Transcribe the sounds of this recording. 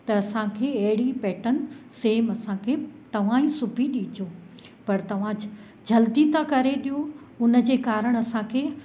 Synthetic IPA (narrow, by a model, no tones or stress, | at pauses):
t̪ɐːsãkʰeːɐɦɪɽipɛːʈənɪ̆seːmɐsãkʰeːt̪ɐʋ̤ãːĩsʊbʱiɗiːt͡ɕoː | pɐɾt̪ɐʋ̤ã | d͡ʑɐld̪it̪ʰakɐɾeɗijo | ʊnə̆d͡ʑeːkaːɾəɽ̃ɐsãkʰeː